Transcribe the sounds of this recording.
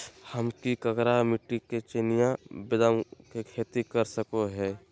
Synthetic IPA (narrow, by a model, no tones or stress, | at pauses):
həmkikəkɾamɪʈːiket͡ʃenijãbɪd̪əmkekʰeːt̪ikəɾsəkoɦɛː